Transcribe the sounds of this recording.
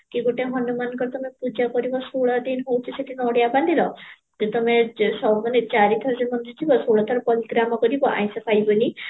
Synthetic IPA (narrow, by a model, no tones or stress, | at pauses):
kiɡoʈeɦɔnumankɔɾet̪ɔmepud͡ʒakɔɾibɔsoɭad̪enɦowt͡ʃʰiseʈʰinɔɽjabãnd̪ʱilɔ | d͡ʒet̪ɔmesɔmɔnet͡ʃaɾit̪ʰɔɾɔsemɔnd͡ʒud͡ʒ̪ʰibɔsoɭɔt̪ʰɔɾɔpɔliɡɾamɔkɔɾibɔʔã̰j̃sɔpʰajbɔni